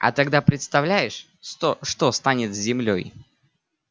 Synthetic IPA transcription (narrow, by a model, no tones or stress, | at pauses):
ɐ̰t̪ɐɡd̪apɾʲɪt̪st̪ɐvlʲæjɪʂ | t̪oʂt̪ost̪anʲɪt̪zʲzʲɪmlʲo̰j